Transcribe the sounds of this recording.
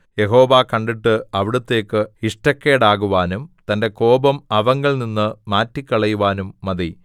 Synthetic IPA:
jeɦo̞ːʋaːkɐɳɖiʈːɨɐʋiɽut̪ːe̞ːkːɨhiʂʈɐkːeːɽaːɣuʋaːnumt̪ɐnde̞ko̞ːbɐmɐʋɐŋɡɐɭninːɨmaːtːikʲːɐɭɐjuʋaːnumːɐði

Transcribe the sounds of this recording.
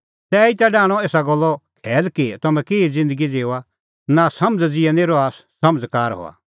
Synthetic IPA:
t̪ɛːit̪aɖãːɽ̃ɔeːsaɡɔlːɔkʰɛːlkit̪ɐmɛ̃keːid͡zɪ̃nd̪əɡid͡zeːoa | nasɐməd͡zd͡zɪɛneːɾɔaːssɐməd͡zkaːɾɦo̰a̰

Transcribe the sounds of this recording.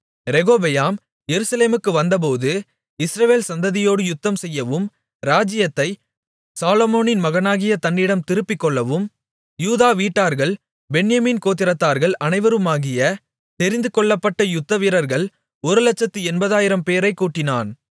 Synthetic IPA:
ɾɛɣoːbɛjaːm | jɛɾɯsɐleːmɯkːɯʋɐnd̪ɐp̬oːðɯ | ɪsɾɐʋeːlsɐnd̪ɐðɪjoːɽɯjʊt̪ːɐmsɛjːɐʋɯm | ɾaːd͡ʒɪjɐt̪ːɐɪ | saːlɔmoːnɪnmɐɣɐnaːɣɪjɐt̪ɐɳːɪɽɐmt̪ɪɾɯpːɪkːɔɭːɐʋɯm | juːðaːʋiːʈːaːɾɣɐɭ | bɛɳjɐmiːnkoːt̪ːɪɾɐt̪ːaːɾɣɐɭʔɐnɐɪʋɐɾɯmaːɣɪjɐ | t̪ɛɾɪnd̪ɯkɔɭːɐpːɐʈːɐjʊt̪ːɐʋiɾɐɾɣɐɭ | ɔɾɯlɐt͡ʃːɐt̪ːiɛnbɐðaːjɪɾɐmpeːɾɐɪkːuːʈːɪnaːn

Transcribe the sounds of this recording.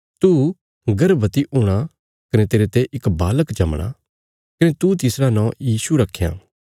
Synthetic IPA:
t̪u | ɡɐɾbɐt̪iʔʊɽ̃a | kɐnet̪eːɾet̪eʔɪkbaːləkd͡ʒɐmɽ̃a̰ | kɐnet̪ut̪ɪsɾanɔ̃ːjiːsuɾɐkʰːejã̰ː

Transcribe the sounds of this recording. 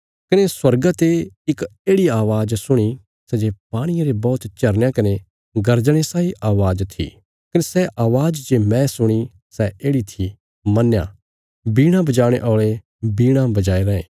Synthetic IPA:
kɐneswɐɾɡat̪eɪkeːɽiaːʋaːd͡ʒsʊɽ̃i | sɛd͡ʒepaːɽ̃ɪjaɾebɔːt̪t͡ʃɐɾnjãkɐne | ɡɐɾd͡ʒɽ̃esaːiʔaːʋaːd͡ʒt̪ʰḭ | kɐnesɛʔaːʋaːd͡ʒd͡ʒeːmɛ̃sʊɽ̃i | sɛʔeːɽit̪ʰi | mɐnːjã̰ | biːɽ̃ãbɐd͡ʒaːɽ̃eʔɔːɭe | biːɽ̃ãbɐd͡ʒaːeɾɛ̃ːḛ̃ː

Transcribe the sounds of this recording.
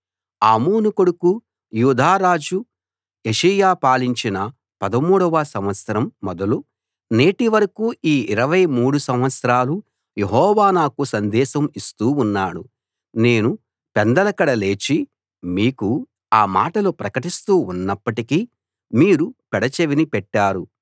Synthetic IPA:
aːmoːnukoɽuku | juːd̪aːɾaːd͡ʒu | eʂɐjaːpaːliɲt͡ʃinɐ | pɐd̪ɐmuːɽɐʋaːsɐmʋɐt̪sɐɾɐmːɔd̪ɐlu | ne̞ːʈiʋɐɾɐkuːiːiɾɐʋɐjmuːɽusɐmʋɐt̪sɐɾaːlu | je̞ɦɔːʋaːnaːkusɐnd̪ɛːʃɐmist̪uːnːaːɽṵ | ne̞ːnu | pɛnd̪ɐlɐkɐɽɐle̞ːt͡ʃi | miːku | aːma̰ːʈɐlupɾɐkɐʈist̪uːunːɐpːɐʈiki | miːɾupɛɽɐt͡ʃeʋinipɛʈːaːɾu

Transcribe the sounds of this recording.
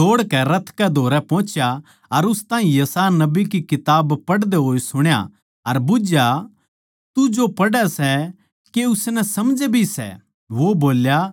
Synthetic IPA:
oːɽkɛɾɐt̪ʰkɛd̪ʱoːɾɛpɔ̃ːt͡ʃja | ɐɾʊst̪aːɦĩjɐsaːjanɐbikikɪt̪aːbpɐɽd̪eɦoːisʊɽ̃ja̰ | ɐɾbʊd͡ʒja | t̪ud͡ʒopɐɽɛsɛ | keʊsnɛsɐmd͡ʒɛbʱisɛ̰ | ʋoboːlja

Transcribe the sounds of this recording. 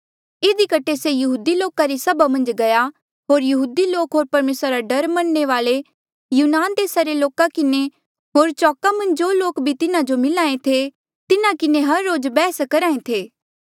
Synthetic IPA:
ɪd̪ikɐʈʰesejɐɦuːd̪iloːkaɾisɐbamɐ̃nd͡ʒɡɐja | ɦoːɾjɐɦuːd̪iloːkɦoːɾpɐɾmeːsɾaɾaɖɐɾmɐnːeʋaːle | juːnaːnd̪eːsaɾeloːkakɪne | ɦoːɾt͡ʃɔːkamɐ̃nd͡ʒd͡ʒoːloːkbʱit̪ɪnãd͡ʒomɪlaːẽt̪ʰe | t̪ɪnãkɪneɦɐɾːoːd͡ʒbɛːskɐɾãːẽt̪ʰeː

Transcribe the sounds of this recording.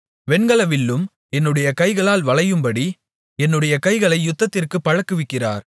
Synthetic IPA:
ʋɛnɡɐɭɐʋɪlːɯm | ɛnːɯɽɐjɐkɐɪɣɐɭaːlʋɐɭɐjɯmbɐɽi | ɛnːɯɽɐjɐkɐɪɣɐɭɐɪjʊt̪ːɐt̪ːɪrkɯpːɐɻɐkːɯʋɪkːɪra̰ːɾ

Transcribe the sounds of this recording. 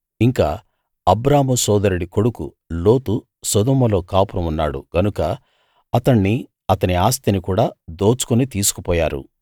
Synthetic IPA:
iŋkaː | ɐbɾaːmusɔːd̪ɐɾeɽiko̞ɽukṵ | loːt̪u | sɐd̪ɔːmɐlo̞ːkaːpuɾɐmunːa̰ːɽṵɡ̥ɐnukɐ | ɐt̪ɐɳːi | ɐt̪ɐniaːst̪inikuːɽaːd̪o̞ːt͡ʃu̥kunit̪iːsu̥kupɔːjaːɾṵ

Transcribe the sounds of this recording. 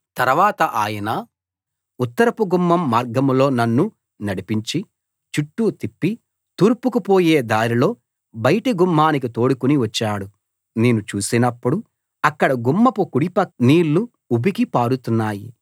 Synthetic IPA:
t̪ɐɾʋaːt̪ɐʔaːjɐnɐ | ut̪ːɐɾɐpuɡumːɐmːaːɾɡɐmlo̞ːnɐnːu | nɐɽipiɲt͡ʃi | t͡ʃuʈːuːt̪ipːi | t̪uːɾpukupo̞ːjeːd̪aːɾilo̞ː | bɐjɐʈiɡumːaːnik̬it̪o̞ːɽukuniʋɐt͡ʃːaːɽu | neːnut͡ʃuːsinɐpːuɽu | ɐkːɐɽɐɡumːɐpukuɽipɐniːlːu | ubikipaːɾut̪unːaːji

